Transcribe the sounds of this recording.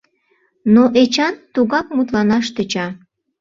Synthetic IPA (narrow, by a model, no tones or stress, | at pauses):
noʔet͡ɕɑnt̪uɣɑk̚mut̪lɑnɑʃt̪ə̆t͡ɕɑ